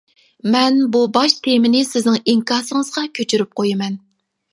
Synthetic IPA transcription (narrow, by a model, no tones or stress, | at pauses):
mɛnbubɑʃt̪ʰemɪnɪsɪznɪŋiŋkɑːɾsɨŋəzʁɑkʲʰøt͡ʃʰyɾyp̚qʰojɪmɛn